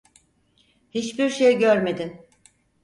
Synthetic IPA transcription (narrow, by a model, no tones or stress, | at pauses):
hit͡ʃbiɾʃejɟøɾme̞d̪in